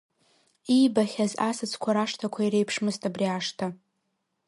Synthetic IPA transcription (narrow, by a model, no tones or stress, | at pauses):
ibaχʲazasɨt͡sʰkʷʰaɾaʂtʰakʷʰaiɾejpʰʂmɨstʼabriaʂtʰa